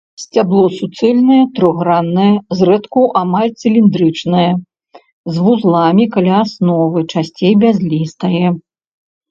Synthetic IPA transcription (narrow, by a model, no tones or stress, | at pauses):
sʲt͡sʲablˠɔsut̪sɛlʲnɐjɛt̪ɾɔɣɾanːɐjɛzɾɛt̪kuʔamalʲt̪sɨlʲind̪ɾɨt͡ʂnɐjɛ | zvuzlˠamʲikalʲaːsnɔvɨt͡ʂasʲt͡sʲejbʲazʲlʲist̪ɐjɛ